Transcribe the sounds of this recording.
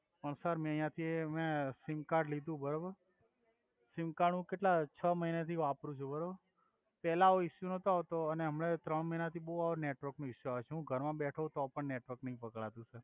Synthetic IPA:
pəɳsəɾmɛ̃jãt̪ʰiemẽsimkaɾɖlid̪ʱũbəɾobəɾ | simkaɽ̃ũkeʈlat͡ʃʰəməɦinet̪ʰiʋapɾũt͡ʃʰubəɾobəɾ | pɛlaoɪʃːunɔt̪oaʋt̪oəneɦəmɽet̪ɾəɳməɦinat̪ʰiboɦuaʋoneʈʋəɾknũɪʃjuaʋet͡ʃʰeɦũɡʱəɾmãbɛʈʰət̪oapəɳneʈʋəɾknəĩpəkɭat̪ũsəɾ

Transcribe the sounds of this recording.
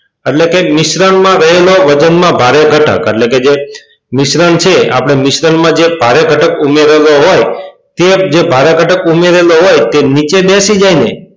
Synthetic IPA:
eʈlekemɪʃɾanmãɾəɦeloʋəd͡ʒənmãbʱaɾeɡʱəʈʰə̰kḛʈleked͡ʒe | mɪʃɾant͡ʃʰea̰pɽ̃emɪʃɾanmãd͡ʒebʱaɾeɡʱəʈəkumeɾeloɦoj | t̪ed͡ʒebʱaɾeɡʱəʈəkumeɾeloɦojt̪enit͡ʃed̪esid͡ʒaine

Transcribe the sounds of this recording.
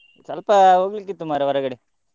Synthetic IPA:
sɐlpɐɦoːɡlikːit̪ːumaːɾɐʋɐɾɐɡɐɽe

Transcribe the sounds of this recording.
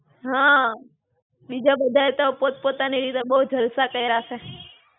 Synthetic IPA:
ɦã | bid͡ʒabəd̪ʱaet̪opot̪̚pot̪aniɾit̪ebəɦud͡ʒʱəlsakəiɾaʃe

